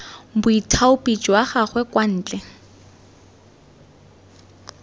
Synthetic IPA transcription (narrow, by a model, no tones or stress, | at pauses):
bʊitʰaʊpʼit͡ʃʼwaχaχwɛkwan̩ːt͡ɬɛ